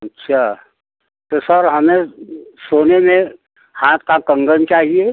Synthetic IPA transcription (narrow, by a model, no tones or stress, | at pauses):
ɐtːʃʰaː | t̪osəɾɦɐmẽsoːnemẽ | hãːt̪̚kakə̃ŋɡənt͡ʃaːɦie